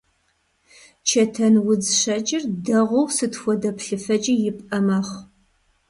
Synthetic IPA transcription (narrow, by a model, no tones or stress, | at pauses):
t͡ʃʰɐtʰɐnwʊd͡zɕɐt͡ʃʼɪrdɐʁʷɔwsɨtʰxʷɔdɐpɬɨfɐt͡ʃʼijɪpʼɐmaːχ